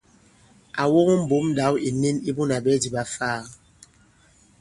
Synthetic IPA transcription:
a˨wo˦ŋo˦m̩˦bu˨˦m˦da˨˦wi˨ni˦ni˦bu˦na˨bɛ˦di˨ba˦faː˦˨

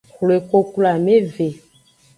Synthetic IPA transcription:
xle˨ko˦ku˦la˨me˦ve˨

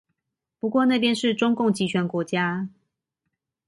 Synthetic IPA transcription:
pu˧˥kwɔ˥˧na˥˩pjɛ˥nʂɻ̩˥˨ʈ͡ʂʊ˥ŋkʊ˥˩ŋt͡ɕi˧˥t͡ɕʰɥɛ˧˥nkwɔ˧˥t͡ɕja˦

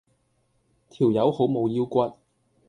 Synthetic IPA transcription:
t̪ʰi˨˩wjɐ˨˥who˨˥wmo˨˧wjiː˥wkʷɐ˥t̚

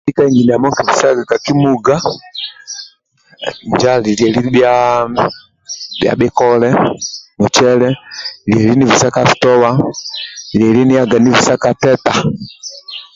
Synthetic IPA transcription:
i˦ka˦iŋɡi˨ni˨a˨mɔ˦ŋki˨vi˨sa˦ɡa˨ka˨ki˦muɡa˦ | ɲd͡ʒali˨liɛ˨li˦bja | bja̰˨ɓɛ˦kɔlɛ˦mɔ˨t͡ʃɛlɛ˦li˨ɛ˨li˦ni˦vi˨sa˦ka˨fi̥˨tɔ˦wa˦ | ɾiɛ˨li˦ni˦ja˦ɡa˨ni˦vi˨sa˦ka˨tɛ˦ta˨

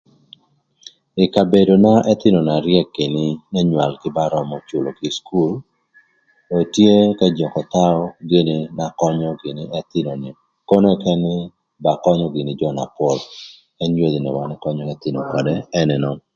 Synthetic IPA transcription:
ɪ˨ka˨be˨do˨na˦ʔɛ˦t̪ɪ˦nɔ˨na˨ɾjɛ˦kːe˨nɪ˦nɛ˦ɲwa˨lkɪ˦ba˦ɾɔ˨mɔ˨t͡ʃo˨lo˨ki˨sku˦l | tɔ˨tje˦kɛ˦d͡ʒɔ˨kɔ˨t̪a˦ɔ˦ɡe˦nɪ˦na˦kɔ˦ɲɔ˦ɡɪ˨nɪ˦ɛ˦t̪ɪ˦nɔ˨nɪ˨ | ko˦nɛ˦kɛ˦nɪ˦ | ba˨kɔ˦ɲɔ˦ɡɪ˨nɪ˨d͡ʒɔ˦na̰˨pwɔ˨l | ɛ˦njo˦d̪i˨nɛ̰˨wa˨nɛ˦kɔ˦ɲɔ˦kɛ˦t̪ɪ˦nɔ˨kɔ˨dɛ˦ɛ˦nɛ˨nɔ˦n

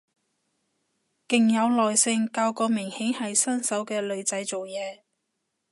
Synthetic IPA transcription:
kɪ˨ŋjɐ˨˧wlɔː˨jsɪ˧ŋkaː˧wkɔː˧mɪ˨˩ŋhe˨˥ŋhɐ˨jsɐ˥nsɐ˨˥wkɛː˧lɵ˨˧ɥt͡sɐ˨˥jt͡so˨wjɛː˨˧

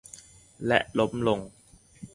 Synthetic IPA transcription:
lɛ̰˦ʔlo˦˥m̚lo˧ŋ

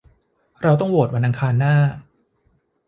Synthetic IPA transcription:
ɾa˧wt̪ɔ˥˩woː˨˩t̪̚wa˧nʔa˧ŋkʰaː˧nːaː˥˩

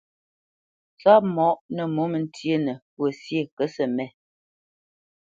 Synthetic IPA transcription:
t͡sa˦p̚mɔ˨˦ʔnə˨mo˨˦mə˨n˦tje˦nə˨pwə˨sje˦˨kə˨˦sə˨mɛ˦˨

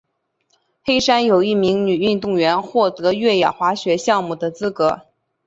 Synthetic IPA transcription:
xe˥ɪʂa˥njo˨˩ʊi˥˩mi˧˥ŋny˨˩y˥˧nt̪ʊ˥˩ŋɥɛ˧˥nxwɔ˥˩t̪ɤ˧˥ɥɛ˥˩jɑ̰˨˩xwa˧˥ɕɥɛ˧˥ɕjɑ˥˧ŋmu˥˩d̪ə˩t͡sɹ̩˥kɤ˧˥

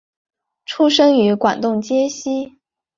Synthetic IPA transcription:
ʈ͡ʂʰu˥ʂɤ˥ŋy˧˥kwa̰˨˩nt̪ʊ˥˩ŋt͡ɕjɛ˥ɕi˥

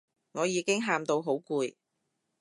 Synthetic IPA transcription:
ŋɔː˨˧jiː˨˧kɪ˥ŋɦaː˧mt̪o˧wɦo˨˥wkuː˧j

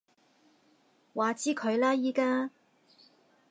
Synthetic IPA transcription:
waː˨˧t͡siː˥kʰɵ˨˧ɥlaː˥jiː˥kaː˥

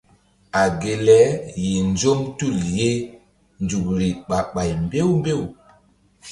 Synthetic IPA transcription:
a˨ɡe˨lɛ˦je˨nd͡ʒo˦mtu˦˨lje˦ | nd͡ʒu˨kɾi˨ɓa˨ɓa˨jmbe˦wmbe˦˨w

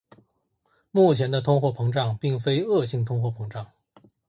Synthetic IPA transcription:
mu˥˩t͡ɕʰjɛ˧˥nd̪ə˧t̪ʰʊ˥ŋxwɔ˥˩pʰɤ˧˥ŋʈ͡ʂɑ˥˧ŋpi˥˩ŋfe˥ɪɤ˥˧ɕi˥˩ŋt̪ʰʊ˥ŋxwɔ˥˩pʰɤ˧˥ŋʈ͡ʂɑ˥˩ŋ

